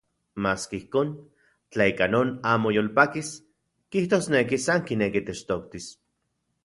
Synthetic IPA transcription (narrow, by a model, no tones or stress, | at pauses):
maːskeihkoːn | t͡ɬaikanoːnaːmojolpakis | kiht̪oːsnekisaŋkinekit̪et͡ʃt̪okt̪is